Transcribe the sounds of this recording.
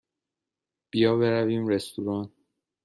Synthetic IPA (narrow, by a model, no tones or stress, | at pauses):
b̥ijɒːbe̞ɾæviːmɾest̪uɾɒːn